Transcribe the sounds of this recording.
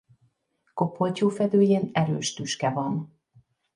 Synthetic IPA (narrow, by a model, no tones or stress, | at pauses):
ko̞pːo̞lcoːfɛd̪øːjeːnɛɾøːʃt̪yʃkɛvɒn